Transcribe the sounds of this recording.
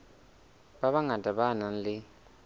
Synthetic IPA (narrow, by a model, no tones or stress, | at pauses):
ɓaβaŋadʱʼaɓanan̩lɪ